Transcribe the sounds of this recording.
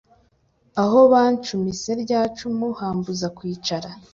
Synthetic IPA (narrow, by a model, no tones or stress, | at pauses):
aɦo̞βaːnt͡ʃumise̞ɾɟaːt͡ʃumuhaːmbuzakwiːt͡ʃaɾa